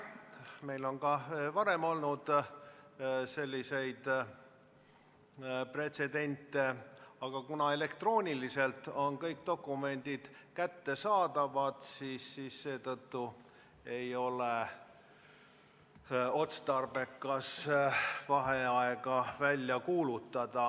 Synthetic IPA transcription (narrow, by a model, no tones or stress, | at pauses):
me̞jlo̞nkɑvɑɾe̞mo̞lnud̪̥ | se̞lʲːise̞jd̪̥ | pre̞t̪se̞d̪e̞nʲt̪ːˑeɑɡ̥ɑkunɑe̞le̞kt̪ro̞ːnʲilise̞lt̪ːo̞nkɤjk̚t̪o̞kːˑume̞nʲd̪̥id̪̥kæt̪ːe̞sɑːd̪̥ɑvɑd̪̥siːsːiːsːe̞ːt̪ɤt̪ːu | e̞jo̞le | o̞t̪st̪ɑrbe̞kːˑɑs | vɑɦe̞ɑeɡ̥ɑvælʲːjɑkuːlut̪ːˑɑd̪̥ɑ